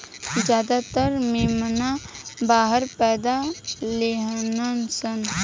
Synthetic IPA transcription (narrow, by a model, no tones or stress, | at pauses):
zjaːd̪at̪əɾmeːmnabaːɦəɾpɛːd̪aleɦnənsən